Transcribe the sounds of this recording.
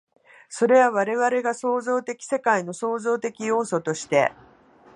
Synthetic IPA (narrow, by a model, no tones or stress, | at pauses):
so̞ɾe̞βaβ̞aɾe̞βaɾe̞ɡaso̞ːzo̞ːt̪e̞kʲi̥se̞kaino̞so̞ːzo̞ːt̪e̞kʲijo̞ːso̞t̪o̞ɕi̥t̪e̞̰